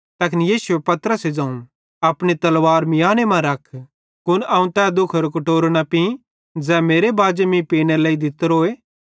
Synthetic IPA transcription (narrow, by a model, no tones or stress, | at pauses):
t̪ɐkɪnijiːsuepɐt̪ɾəsed͡ʒãːũ | ɐpɽ̃et̪ɐlʋaːɾmɪjaːnemãɾɐkʰ | kʊnɐːũt̪ɛːd̪ʊkʰɾokɐʈoːɾonapĩ | d͡zɛːmeːɾebaːd͡ʒemĩpiːñeleːid̪ɪt̪ɾoːeː